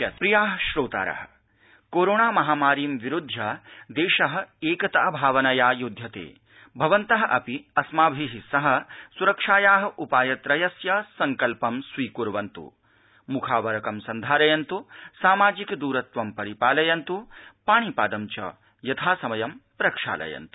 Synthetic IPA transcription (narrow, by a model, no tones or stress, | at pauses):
ɐt̪pɾijaːɦɐʃɾoːt̪a̰ːɾɐ̰ɦɐ̆ | koːɾoːɳaːmɐɦaːmaːɾiːmʋiɾud̪ʱjɐd̪eːʃɐɦɐ̆eːkɐt̪ɐɐbʱaːʋɐnɐjaːjud̪ʱjɐt̪ḛː | bʱɐʋɐnt̪ɐɦɐʔɐpiɐsmaːbʱiɦisɐɦɐ̆suɾɐkʂaːjaːɦɐ̆ʔupaːjɐt̪ɾɐjɐsjɐsɐŋkɐlpɐmsʋiːkuɾʋɐnt̪ṵ | mukʰaːʋɐɾɐkɐmsɐnd̪ʱaːɾɐjɐnt̪usaːmaːd͡ʒikd̪uːɾɐt̪ʋɐmpɐɾipaːlɐjɐnt̪upaːɳ̃ipaːd̪ɐmt͡ʃɐ̰ | jɐt̪ʰaːsɐmɐjɐmpɾɐkʂa̰ːlɐ̰jɐ̰nt̪u̥